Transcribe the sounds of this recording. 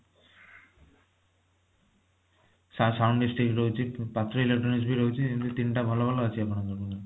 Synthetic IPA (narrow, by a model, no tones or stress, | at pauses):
sasawɳɖisʈɾikɾoɦut͡ʃʰipat̪ɾoilek̚ʈɾɔnis̬bʱiɾoɦut͡ʃʰikint̪ut̪inʈabʱalobʱaloat͡ʃʰiapnak̪ɔɾkuna